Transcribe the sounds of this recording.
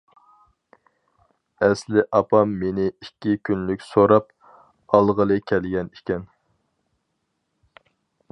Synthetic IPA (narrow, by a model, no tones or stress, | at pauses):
ɛslɪʔɑpʰɑmːenɪikʲʰːikʲʰynlykʲsoɾɑp̚ | ɑlˠʁəlˠɨkʲʰɛlɡʲɛnikʲɛn